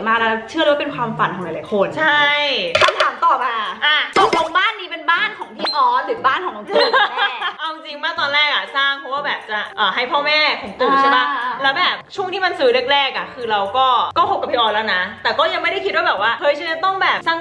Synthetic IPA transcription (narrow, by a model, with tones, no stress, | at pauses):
jmaː˥˩lɛː˦˥lːt͡ɕʰɯ˥˩˧wa˥pe˧nkʰwaː˧mfa˨˩˦nkʰɔ˨˩˦laː˨˩laː˨˦kʰo˨˩˦nt͡ɕʰa˥˩jkʰa˧˩mt̪ʰaː˨˦mt̪ɔː˨˩maː˧ʔa˧kɔː˨˩˦lo˧ŋbaː˥˩nːiː˦˥pe˧nbaː˥˩nkʰɔː˨˩˦ŋp̪ʰiː˦˥˩ʔɔː˧ɾɯː˩˦baː˥˩nkʰɔː˨˩˦ŋɔ˨˧˦kʰːʔa˧wt͡ɕi˧ŋmaː˥˩k̚t̪ɔː˧nɾɛː˥˩k̚a˨˧˩saː˥˩ŋpʰɔ˦˥waː˥˩bɛː˨˩p̚t͡ɕa˨˩ʔːɦa˥˩jpʰɔː˥˩mɛː˥˩kʰo˨˩˦ŋt̪u˨˩k̚t͡ɕʰe˥˩ba˦˥lɛː˨˦˥wbɛː˨˩p̚t͡ɕʰu˥˩əŋt̪ʰiː˥˩ma˧nsɯː˨˦ɾk̚ɾɛː˥˩k̚ʔa˨˩kʰɯː˧ɾa˧wkɔː˥˩kɔː˥˩pʰo˧˦˥ka˨˩pʰiː˧˥ʔɔː˧lɛː˦˥wna˦˥t̪ɛː˨˩kɔː˥˩ja˧ŋma˥˩jda˥jkʰi˦t̪̚waː˥bɛː˨˩p̚waː˥˩hɤ˧˥jt͡ɕa˧˩t͡ɕa˨˩t̪ɔ˥˩ŋbɛː˨˩p̚saː˥˩ŋ